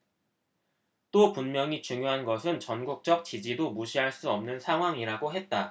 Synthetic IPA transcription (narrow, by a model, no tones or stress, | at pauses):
t͈opunmjʌŋit͡ɕuŋjoɦanɡʌsʰɯnt͡ɕʌnɡuk̚t͡ɕ͈ʌk̚t͡ɕid͡ʑidomuɕʰiɦaɭs͈uʌmnɯnsʰaŋɦwaŋiɾaɡoɦe̞t̚t͈a